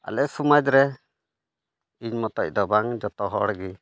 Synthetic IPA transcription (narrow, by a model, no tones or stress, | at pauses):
a̰lɛʔsumad͡ʒɾɛ | iɲmɔt̪ɔc̚ˀd̪ɔbaŋd͡ʒɔt̪ɔɦɔɽɡi